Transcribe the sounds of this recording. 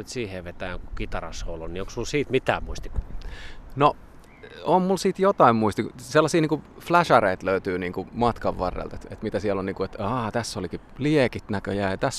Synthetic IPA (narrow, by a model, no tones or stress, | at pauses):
yt̪siːheʋet̪æjŋkukit̪ɑrɑ̰shoulonnioksmulsiːt̪mit̪æ̰ːmuist̪ik | no | ommulsiːt̪jot̪ɑimmuist̪ikselːɑsiːniːŋkuflæʃɑreit̪løyt̪yːniːŋkumɑt̪kɑʋʋɑrːḛlt̪et̪et̪mit̪æsiɛlːonniːŋkuet̪ɑːt̪æsːoliki | liekit̪nækøjæːjɑt̪æs